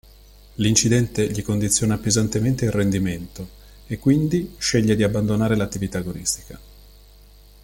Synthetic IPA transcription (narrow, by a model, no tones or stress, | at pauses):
lint͡ʃid̪ɛnt̪eʎikond̪it̪sːjoːnapezant̪ement̪eilrend̪iment̪o | ekːwind̪iʃeʎːed̪iabːand̪onaːɾelat̪ːivit̪aɡonist̪i̥ka